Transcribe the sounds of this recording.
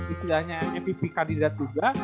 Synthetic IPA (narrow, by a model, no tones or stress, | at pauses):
disidaɲaɛɛpipikandidat̪̚d͡ʒuɡa